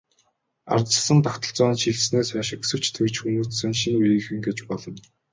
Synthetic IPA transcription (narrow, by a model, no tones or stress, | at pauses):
a̰rt̪t͡ɕə̆sə̆nt̪axt̪ɞ̆ɮt͡sɔːnʃiɮsneːsaːʃɪ̆kesɘ̆w̥ʰt͡ɕʰt̪ʰĕkt͡ɕxunuːt͡ssɘ̆nʃinujɘ̆xɘ̆ŋɡet͡ɕpɔɮɞ̆n